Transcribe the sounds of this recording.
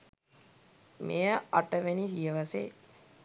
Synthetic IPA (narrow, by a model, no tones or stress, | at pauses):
mejəaʈəʋenisijəʋasḛ